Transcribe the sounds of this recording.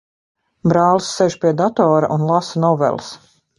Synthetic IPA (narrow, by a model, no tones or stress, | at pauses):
bɾaːlˠsːɛʒpiɛd̪at̪ɔːɾa̰ʔunlˠasnɔvɛ̰lˠs